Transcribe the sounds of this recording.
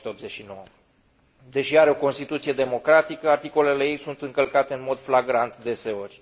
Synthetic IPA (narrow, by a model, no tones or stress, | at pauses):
t̪eo̞pzet͡ʃʲʃino̞wə | d̪e̞ʃiaɾeo̞ko̞nst̪it̪ut̪sije̞d̪e̞mo̞kɾat̪ikəart̪iko̞le̞lejejsunt̪ɨŋkəlkat̪e̞ɨnmo̞d̪flaɡɾant̪d̪e̞se̞o̞rʲ